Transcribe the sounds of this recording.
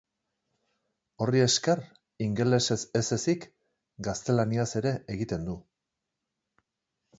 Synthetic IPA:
o̞rie̞sker | iŋɡele̞se̞sese̞sik | ɡast̪e̞laniase̞ɾe̞ʔeɣit̪e̞nd̪u

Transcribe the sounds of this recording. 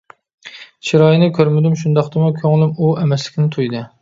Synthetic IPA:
t͡ʃʰiɾɑːjnɨkʲʰøɾmɪd̪ymʃund̪ɑqt̪ɨmukʲʰøŋlymuɛmɛslɪ̥kʲnɪt̪ʰujd̪ɨ

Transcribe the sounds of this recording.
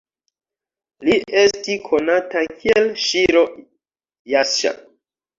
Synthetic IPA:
liʔe̞stikʰo̞natakʰielʃiɾo̞ | jaʃa̰

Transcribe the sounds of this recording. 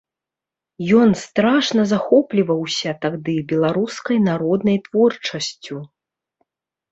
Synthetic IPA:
jɔnst̪ɾaʂnɐzaxɔplʲivɐwsʲɐt̪aɣd̪ɨbʲɛlˠaɾuskɐjnaɾɔd̪nɐjt̪v̥ɔrt͡ʂɐsʲt͡sʲu

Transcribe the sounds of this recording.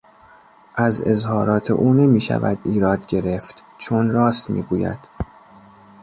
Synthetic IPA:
ʔæzezhɒːɾɒːt̪ʰḛʔuːne̞miːʃæ̰væ̰d̪iːɾɒːd̪ɟe̞ɾeft̪ | t͡ʃʰonɾɒːst̪mḭːɡuːjæ̰d̪̥

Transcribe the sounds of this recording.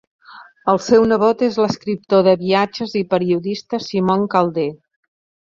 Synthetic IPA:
əlˠsɛwnəβot̪ezləskɾip̚t̪oðəβiad͡ʒəzipəɾiuðist̪əsimoŋkalˠd̪e

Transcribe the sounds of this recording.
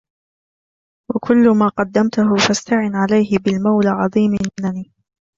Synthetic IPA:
wakʰʊlːʊmaːqɑd̪ːamt̪ʊɦʊfast̪aʕɪnʕalajhɪbɪlmawlʕɑðˤiːmɪnaniː

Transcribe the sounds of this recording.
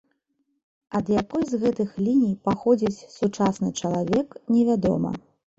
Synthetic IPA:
ɐd̪jakɔjzɣɛt̪ɨxlʲinʲijpaxɔd͡zʲit͡sʲsut͡ʂasnɨt͡ʂɐlˠavʲɛknʲɛvʲad̪ɔ̰mɐ̰

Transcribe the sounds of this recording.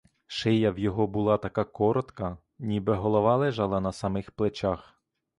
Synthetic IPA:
ʃɪjɐwjɔɦɔbulˠɑt̪ɐkɑkɔɾɔt̪kɐ | nʲibɛɦɔlˠɔʋɑlˠɛʒɑlˠɐnɐsɐmɪxplˠet͡ʃax

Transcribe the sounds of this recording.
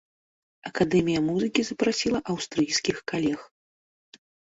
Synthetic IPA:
ɐkad̪ɛmʲijɐmuzɨkʲizɐpɾasʲilˠɐʔɐwst̪ɾɨjskʲixkalʲɛx

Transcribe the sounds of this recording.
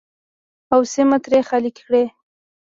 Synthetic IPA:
awsemat̪ɾexalikkɽe

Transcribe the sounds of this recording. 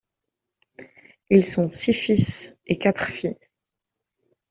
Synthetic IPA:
ilsɔ̃sifisekat̪χfi

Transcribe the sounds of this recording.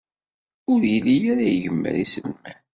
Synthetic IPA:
ʊɾjilijæɾajʝəmːə̰ɾisəlmæn

